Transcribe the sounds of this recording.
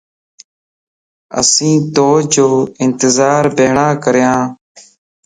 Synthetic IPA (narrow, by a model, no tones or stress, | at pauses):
ə̰sĩːt̪oːd͡ʒoːɪnt̪ɪzaːɾbʱeːɳaːkəɾjãː